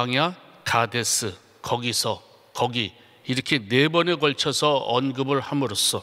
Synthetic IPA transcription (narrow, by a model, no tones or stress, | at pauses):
aŋja | kade̞s͈ɯ | kʌɡisʰʌ | kʌɡi | iɾʌkʰenebʌneɡʌɭt͡ɕʰʌsʰʌʌnɡɯbɯɭhamɯɾos͈ʌ